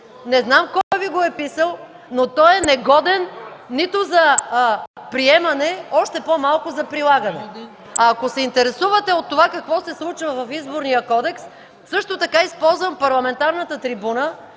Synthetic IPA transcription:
nɛznamkɔɡɐviɡoɛpisəlˠ | not̪ɔjɛnɛɡɔd̪ɛnːit̪ozɐ | pɾiɛmɐnɛɔʃt̪ɛpomalˠkʊzɐpɾilˠaɡɐnɛ | aːkosɛint̪ɛɾɛsuvət̪ɛot̪ːovakɐkvɔsɛslˠut͡ʃvɐvɐfizboɾnijəkɔd̪ɛks | sɤʃt̪ot̪ɐkaispɔlˠzvɐmpɐɾlˠɐmɛnt̪aɾnət̪ət̪ɾibunə

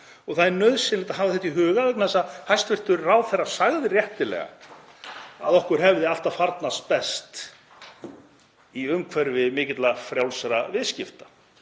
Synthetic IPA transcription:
ɔɣθaðnœðsɪnlɪːt̪aɦaːvðɪθɛht̪ːiɦʏːɣavɛknθɛsːahajst̪vɛr̥t̪ʏɾraːwθɛrːasaɣðɪrjɛht̪ɪlɛ̰ɣa̰ | a̰ðɔhkʏɾ̥ɦɛvðɪaft̪afaɾt̪nast̪pɛst̪ | iʏmkʰvɛɾvɪmɪːcɪt̪lafɾjawlsɾavɪðscɪft̪ḁ

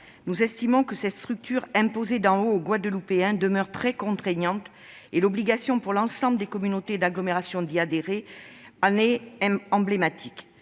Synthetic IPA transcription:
nuzɛst̪imɔ̃kəsɛt̪st̪χyk̚t̪yʁɛ̃pozed̪ɑ̃oːɡwad̪əlupeɛ̃d̪əmœʁt̪χɛkɔ̃t̪χeɲɑ̃t̪ | elɔbliɡasjɔ̃puʁlɑ̃sɑ̃bləd̪ekɔmynot̪ed̪aɡlɔmeʁasjɔ̃d̪iad̪eʁeɑneɑ̃blemat̪ʰik

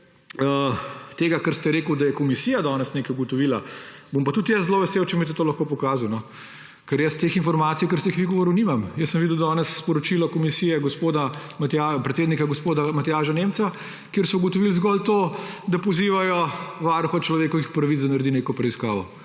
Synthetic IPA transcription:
ət̪eːɡakəɾst̪ɛɾeːkəwd̪ɐjɛkɔmisiːjad̪ɔːnɛsneːkɛjuɡɔt̪ɔʋiːlabompat̪ut̪jəszloʋɛsewt͡ʃɛmit̪ɛt̪oːlɐxkoːpɔkaːzawnɔ | kɛɾjəst̪eːxinfɔɾmaːt̪sijkəɾst̪eixʋiɡɔʋɔːɾɔnimamjəsːəmʋid̪əwd̪ɔːnɛsːpɔɾɔt͡ʃilɔkɔmisijɛɡɔspoːd̪amɐt̪japɾɛt̪sed̪nikaɡɔspoːd̪amɐt̪ɛjaːʃanemt̪sa | kjeːɾsɔuɡɔt̪ɔʋilzɡɔlt̪oːd̪apɔziːʋajɔʋaɾxɔt͡ʃlɔʋeːkɔʋixpɾɐʋit̪zd̪anɐɾd̪ineːkɔpɾɛiskaːʋɔ

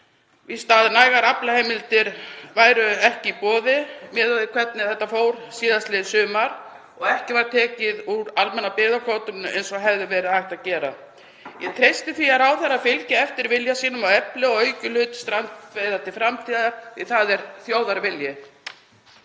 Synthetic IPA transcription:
vist̪aːðɪnaːjɣaɾaplahejmɪlt̪ɪɾvaːjɾʏɛhcɪipɔːðɪmɛːðaðɪkʰvɛt̪̚nɪθɛht̪ːafoːwɾ̥siːðast̪lɛːsʏːmaɾ̥ | ɔɣɛhcɪvaɾ̥t̪ʰɛːcɪðuɾalmɛnapɪːðakʰoːwt̪ʏnʏʔḛjnsɔɦɛvðɪvɛːɾɪðajht̪aðcɛːɾa̰ | jɛt̪ʰɾejst̪ɪθiaɾawθɛɾafɪlcɪɛft̪ɪɾvɪljasiːnʏmawɛplɪɔɣœɥcʏlʏːt̪st̪ɾant̪vejðat̪ɪfɾamt̪ʰiːðaθiθaðɛɾ̥θjowðaɾvɪljɪ

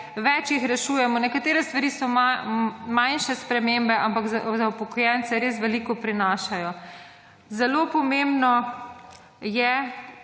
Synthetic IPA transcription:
ʋɛt͡ʃjixɾɛʃuːjɛmɔnɛkat̪eːɾɛst̪ʋaɾiːsɔ | majnʃɛspɾɛmembɛʔampakzzawpɔkɔjɛnt̪sɛɾeːs̬ʋɛliːkɔpɾinaːʃajɔ | zɛlopɔmembnɔ | jɛ

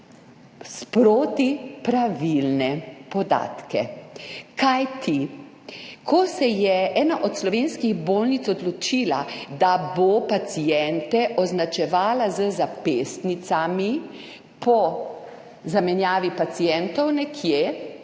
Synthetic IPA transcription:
spɾoːt̪ipɾaʋilnɛpɔd̪a̰ːt̪kɛ̰ | kajt̪ʰi | kʰɔsɛjɛʔɛːnaʔɔt̪slɔʋenskiɣboːlnit̪sɔd̪lɔt͡ʃiːlad̪abopat̪sijɛnt̪ɛʔɔznat͡ʃɛʋaːlazəzapest̪nit̪sami | pɔ | zamɛnjaːʋipat̪sijɛnt̪ɔwnɛkʰje

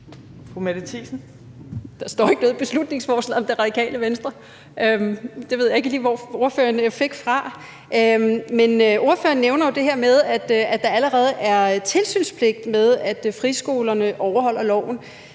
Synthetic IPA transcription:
fʁumæd̥it͡sʰiːsn̩ | d̥ɑ̈sd̥ɒ̰ːe̝ɡ̥ə̥ʋe̝ð̩ˠb̥e̝slud̥ne̝ŋsfɒːslɛ̰ðˠɒ̽md̥e̝ʁɑ̈d̥ikʰɛ̰ːləʋensd̥ʁɐ | ʔømd̥e̝ʋeð̞̰ˠjae̝ɡ̥əliːʋɒo̝ɐfø̰ːɐnfe̝ɡ̥fʁɑ̈ | ʔømmenøʔo̝ɐfø̰ːɐnːeʊnɐjo̝d̥e̝ɦɛɐ̰með̞ˠæd̥æd̥ɑ̈æləʁɛːð̞̩ˠæɐt͡sʰe̝lsy̰ːnspʰle̝ɡ̥̚d̥með̞ˠæd̥fʁisɡ̥o̝ːlɐnəʔɒʊɐɦɒ̽l̰ɐlɒʊ̰n̩

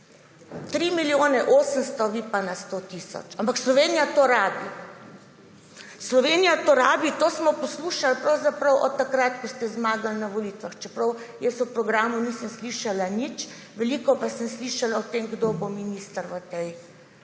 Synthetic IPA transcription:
t̪ɾimiljoːnɛʔoːsənst̪ɔʋipanast̪ot̪isɔ̰t͡ʃampakslɔʋeːnijat̪oɾaːbi | slɔʋenijat̪oːɾa̰ːbit̪oːsmɔpɔsluːʃalpɾɐwzapɾɐwʔɔt̪ːakɾat̪kɔst̪ɛzmaːɡalnaʋɔlit̪ʋaxt͡ʃɛpɾɐwjɛsupɾɔɡɾaːmunisənsliʃalanit͡ʃ | ʋɛliːkɔpasəmsliʃalaɔt̪emɡd̪obominist̪əɾʋət̪ɛj

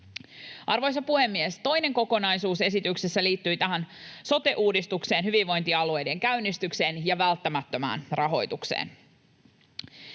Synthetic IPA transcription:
ʔɑrʋo̞jsɑpuhemːiest̪o̞jneŋko̞ko̞nɑjsuːse̞sit̪yksesːæliːt̪ːyjt̪æɦænso̞t̪e̞ʔuːdist̪ukse̞ːnhyʋiʋʋo̞jnt̪iɑlue̞jde̞ŋkæynːist̪ykse̞ːnjɑʋælt̪ːæmæt̪ːø̞mæ̰ːnrɑɦo̞jt̪uksḛːn

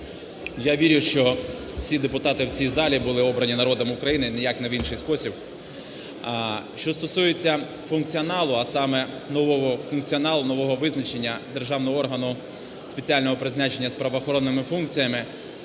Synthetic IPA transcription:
jaʋʲiɾʲʊʃt͡ʃɔ | wsʲid̪epʊt̪ɑt̪ɪwt͡sʲijzɑlʲibʊlˠɪɔbɾɐnʲinɐɾɔd̪ɔmʊkɾɐjinɪnɪjakneʋinʃɪjspɔsʲib | ʃt͡ʃɔst̪ɔsujet͡sʲːɐ | fʊnk̚t͡sʲiɔnɑlˠʊɐsɑmɛ | nɔʋɔɦɔfʊnkt͡sʲiɔnɑlˠʊnɔʋɔɦɔʋɪznɐt͡ʃe̞nʲːɐd̪e̞rʒɑwnɔɦɔɔrɦɐnʊ | spet͡sʲialʲnɔɦɔpɾɪzʲnɑt͡ʃenʲːɐspɾɐʋɔːxɔɾɔnːɪmɪfunk̚t͡sʲijɐmɪ

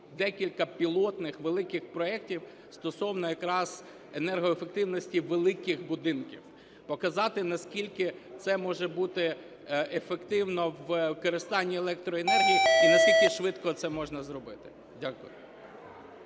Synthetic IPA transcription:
d̪ɛkʲilʲkɐpʲilˠɔt̪nɪxʋelˠɪkɪxpɾɔɛk̚tʲiw | st̪ɔsɔwnɔjɐkɾɑz̥ | enɛrɦɔefek̚t̪ɪwnɔsʲtʲiʋelˠɪkɪxbʊd̪ɪnkʲiw | pɔkɐzɑt̪ɪnɐskʲilʲkɪt̪sɛmɔʒɛbut̪ɪ | efekt̪ɪwnɔʋkɔɾɪst̪ɑnʲːielˠɛk̚t̪ɾɔenɛrɦʲijiinɐskʲilʲkɪʃʋɪt̪kɔt̪sɛmɔʒnɐzrɔbɪt̪ɪ̥ | dʲakʊ̰jʊ̰

